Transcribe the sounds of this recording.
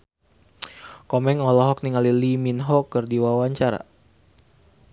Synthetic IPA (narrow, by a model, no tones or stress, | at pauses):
kɔmɛŋɔlɔɦɔk̚niŋaliliminɦɔkːərdiwawaɲt͡ʃaɾa̰